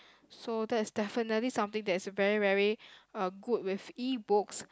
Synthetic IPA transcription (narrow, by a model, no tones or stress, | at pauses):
sodɛtɪsdɛfənətlisãmt̪ɪ̃ŋdɛtɪsvɛɹivɛɹiʌɡut̚wɪfibʊks